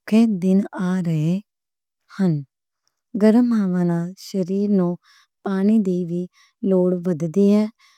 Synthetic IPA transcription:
kʰeːd̪ɪnaːɾəeː | hən | ɡəɾəmaːʋaːnãːʃəɾiːɾnõː | paːñiːd̪eːʋiː | loːɽʋəd̪d̪iːɦɛ̃ː

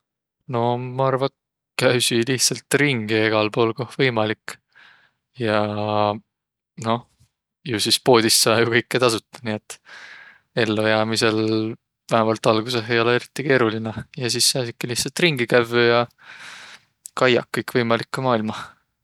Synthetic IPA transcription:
no̞mɑɑrvɑ | kæɥsiliht̪sɑlt̪riŋɡ̥ie̞ɡ̥ɑlpo̞ːlkohvɤjmɑlik | jɑ | no̞ | jusispo̞ːd̪̥isːɑːjukɤjkːet̪ɑsut̪ˑːɑ̥nie̞t̪ːˑ | e̞lːojæːmise̞l | væhæmɑlt̪ˑɑlɡ̥useɦe̞jo̞leeɾit̪ːˑike̞ːɾulinejɑs̬isːeɑːsikːeliht̪sɑlt̪riŋɡ̥ikævjɑ | kɑjɑ̰kːɤjkːvɤjmɑlikːumɑːilmɑ

